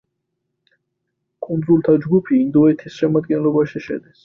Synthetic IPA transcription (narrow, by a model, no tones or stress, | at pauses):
kʼund̪zulˠt̪ʰad͡ʒɡupʰiːnd̪ɔɛt̪ʰisʃɛmad̪ɡɛnlɔbaʃiʃɛ̰d̪is